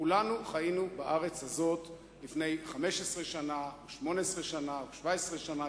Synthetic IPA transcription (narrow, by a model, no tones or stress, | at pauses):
kulanuχajinubaʔaʁe̞t͡shazo̞t̪ | lifne̞jχame̞ʃesʁeʃanaoʃmo̞neesʁeʃanaoʃvaesʁeʃana